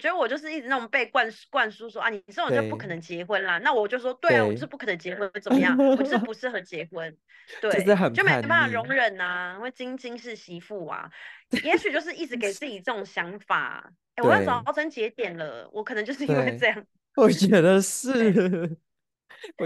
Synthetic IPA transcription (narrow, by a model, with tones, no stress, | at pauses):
wɔ˨˩t͡ɕɥɛ˧˥d̪ə˧wɔ˨˩t͡ɕjo˥˧ʊʂɻ̩˥˧i˥˩ʈ͡ʂɻ̩˧na˥˩o˨˩pe˥˧ɪkwa˥˧nkwa˥˨nsu˥swɔ˥ʔa̰˥˩nĩ˨˩˥t͡ɕo˥˩˧pu˥˩kʰɤ˨˩nə˧˦ŋt͡ɕjɛ˧˥xwə˦nla˨na˥˩wɔ˨˩t͡ɕjo˥˧ʊswɔ˥t̪we˥ɪla˨wt͡ɕj̩˥˧˥pu˥˩kʰnə˧˦ŋt͡ɕjɛ˧˥xwə˦˥nt͡sə˨˩mə˦jɑ˥˩ŋɔ˩˥ɻpu˧˦ʂɻ̩˥˩xə˧˥t͡ɕjɛ˧˥xwə˦n | t͡ɕ̪we˥˩ɪ˥t͡ɕ̩˥˩xə˨˩t͡ɕo˥˩ʊme˥˩a˥˩˨ɻʊ˧˥ŋɻə˨˩na˨i˥ŋwe˥˩ɪt͡ɕi˦˥ŋt͡ɕi˥ŋʂ̬ɻ̩˥˩ɕi˧˥fu˥˩a̰˨˩jɛ˧˥˦ɕy˨˩t͡ɕjo˥˧ʊʂɻ̩˥˧i˥˩ʈ͡ʂɻ̩˧˥k̬e˨˩ɪt͡sɹ̩˥˩t͡ɕi˨˩t͡sɤ˥˩ʈ͡ʂʊ˨˩ŋɕjɑ˧˥ŋfa̰˨˩ | e˥˩wjt͡sɑ˥˩ɤ˧˥ŋt͡ɕjɛ˧˥t̪jɛ˨˩nlə̰˦wʔɔ̰˧˦kʰnə˧˦t͡ɕjo˥˧ʊʂɻ̩˥˧i˥ŋwe˥˧ʈ͡ʂɤ˥˧jɑ˥˩ŋ˩wɔ˨˩t͡ɕɥɛ˨˧˥d̪ə˨ʂɻ̩˥˩˨